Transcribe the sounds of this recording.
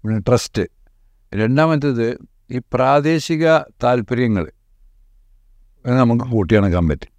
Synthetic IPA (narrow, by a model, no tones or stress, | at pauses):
inʈrɐstɨ | ɾeɳɖaːmɐnd̪ɐðɨ | iːpraːd̪e̞ːɕiɣɐt̪aːlpɐɾjɐŋːɐɭ | enːɨnɐmːukːɨkoːʈːijaːɳɨkɐmbɐtːi̥